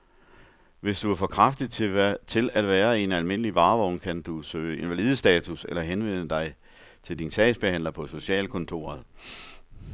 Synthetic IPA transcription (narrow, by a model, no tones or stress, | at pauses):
ʋe̝sd̥uæɐfɒ̽kʰʁɑfd̥iðˠʰt͡sʰe̝læd̥ʋæːɐe̝nælme̝n̰əliʋɑ̈ːʋɒʊnkʰænd̥usø̰ːe̝nʋæliːð̞ˠəsd̥ɛːt͡sʰuselɐɦenʋen̰əd̥ɑ̈ɪ | t͡sʰe̝ld̥insʰɛːɪsb̥e̝hæn̰lɐpʰɒ̽so̝ɕɛ̰ːlkʰɔ̽nt͡sʰo̝̰ːɐðˠ